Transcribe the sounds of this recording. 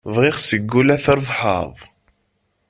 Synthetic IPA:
vʁiχsəɡːulæθəɾˤðˤħɑ̰ðˤ

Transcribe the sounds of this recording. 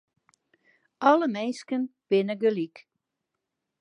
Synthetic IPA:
ɔləmenskənb̥ɪnəɡəlik

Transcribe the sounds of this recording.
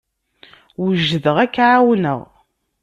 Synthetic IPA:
wʒːəðəʁækːʕawnə̰ʁ

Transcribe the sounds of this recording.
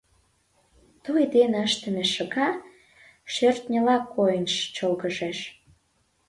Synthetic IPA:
t̪ojd̪enəʃt̪ə̆mĕʃə̆ɣɑ | ʃert̪nʲə̆lɑkʰːojənʃt͡ɕolɣəʒeʃ

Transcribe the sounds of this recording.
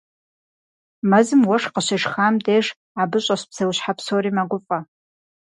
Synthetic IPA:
mazɨmwaʂqaʃʷaʂχamdejʂ | abɨɕʷʼaɕpʰsawɕħapʰsoɾimaɡʷʊfʼa

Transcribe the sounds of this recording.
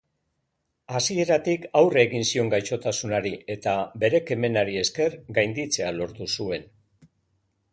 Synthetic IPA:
asie̞ɾat̪ikawreːɣinsio̞ŋɡajt͡ʃo̞t̪asunaɾie̞t̪abe̞ɾe̞ke̞me̞naɾie̞ske̞ɾɡajnd̪it͡se̞alo̞ɾt̪usue̞n

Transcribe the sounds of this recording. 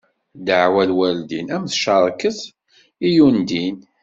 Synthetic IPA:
d̪əʕwælwæld̪inæmθʃɑɾˤkəθ | ijund̪in

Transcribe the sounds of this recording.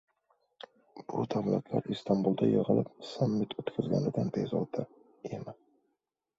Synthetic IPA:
b̥ʊd̪avlat̪ʰlaɾist̪ʰambulˠd̪ajɨʁɨlˠɪp̚samːɪt̪ʰɵt̪kʲʰazɡʲa̰nɪd̪anp̪ʰezɒ̰d̪a | ema

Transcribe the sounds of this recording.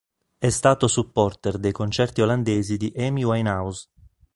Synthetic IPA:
ɛst̪aːt̪osupːɔrt̪ɛrd̪ejkont͡ʃɛrt̪ioland̪eːzid̪iʔɛmiwajnawz

